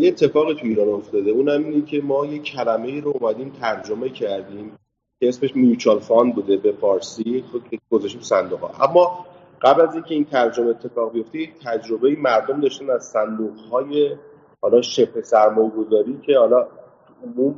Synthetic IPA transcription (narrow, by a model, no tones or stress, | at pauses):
jeet̪ʰːe̞fɒːɣit̪ʰuiːɾɒːno̞ft̪ɒːd̪e̞uːnhæmiːnecʰe̞mɒːje̞cʰːælæme̞iːɾoomæd̪iːmt̪ʰæɾd͡ʒo̞me̞cʰæɾd̪iːm | cʰeesme̞ʃmijut͡ʃʰɑlfɒnbuːd̪ebe̞fɒːɾsiɡ̥ozæʃt̪iːmusænd̪uɣhɒ̰ʔæmːɒː | ɢ̥æblæziːncʰe̞iːnt̪ʰæɾd͡ʒo̞meet̪ʰːe̞fɒːɣbijoft̪ejec̚t̪ʰæd͡ʒɾo̞be̞iːmæɾd̪o̞md̪ɒːʃt̪ænæz̥sænd̪uːɣhɒːje̞ | hɒlɒʃe̞pʰesæɾmɒːjeɡo̞zɒːɾiːcʰe̞hɒlɒt̪uomum